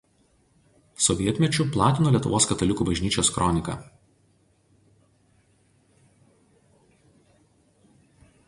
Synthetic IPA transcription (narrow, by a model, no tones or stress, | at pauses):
sɔʋʲiɛt̪ʲmʲɛt͡ʃʲʊplˠɑːt̪ʲɪnoːlʲiɛt̪ʊ̰ʋoːskɐt̪ɐlʲɪkuːbɐʒʲnʲiːt͡ʃʲoːskɾɔnʲɪkɐ̰ː